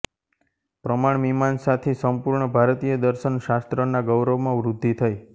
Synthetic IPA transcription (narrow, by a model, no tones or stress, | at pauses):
pɾəmaɳ̃mimansat̪ʰesəmpuɾɳəbʱaɾt̪ijəd̪əɾʃənʃast̪ɾənaɡəwɾəʋmãʋɾud̪ʱːit̪ʰəj